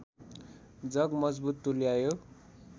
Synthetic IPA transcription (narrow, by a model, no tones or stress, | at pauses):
d͡zʌɡmʌd͡zbut̪ːuljajo